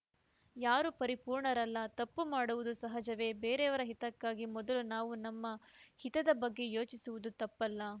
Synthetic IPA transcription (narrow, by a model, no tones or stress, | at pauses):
jaːɾupɐɾipuːɾɳɐɾɐlːɐt̪ɐpːumaːɽuʋud̪usɐɦɐd͡ʒɐʋe̞ːbeːɾeɐʋɐɾɐɦit̪ɐkːaːɡimɔd̪ɐlunaːʋunɐmːɐhit̪ɐd̪ɐbɐɡːe̞jo̞ːt͡ʃisuʋud̪ut̪ɐpːɐlːɐ